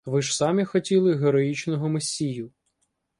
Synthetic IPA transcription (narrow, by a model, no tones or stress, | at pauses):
ʋɪʒsɑmʲixɔtʲilˠɪɦeɾɔjit͡ʃnɔɦʊmesʲijʊ